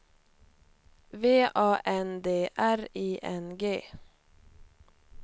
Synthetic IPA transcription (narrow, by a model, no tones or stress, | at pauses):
veːʔɑːʔɛnd̪eːʔæɾiːʔɛnɡeː